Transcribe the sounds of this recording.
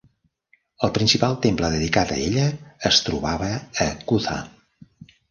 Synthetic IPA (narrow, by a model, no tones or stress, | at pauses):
əlˠpɾinsipalˠt̪empləðəðikat̪ə̰eʎəːst̪ɾuβaβəːkuθa̰